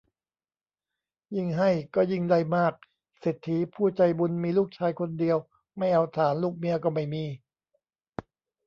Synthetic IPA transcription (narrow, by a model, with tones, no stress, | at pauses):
ji˥˩ŋɦa˥˩jkɔː˥˩ji˥˩ŋda˥˩jmaː˥˩k̚ | seː˨˩t̪ʰːi˩˦pʰuː˥˩t͡ɕa˧jbu˧nmiː˧luː˥˩k̚t͡ɕʰaː˧jkʰo˧ndi˧əw | ma˥˩jʔa˧wt̪ʰaː˩˦nluː˥˩k̚mi˧ɐkɔː˥˩ma˥˩jmiː˧